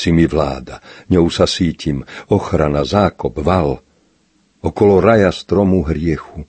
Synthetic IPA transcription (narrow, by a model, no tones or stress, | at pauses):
simiʋla̰ːd̪aɲɔusasiːcimɔxɾanazaːkɔbʋal | ɔkɔlɔɾajast̪ɾɔmuɦɾɪɛxu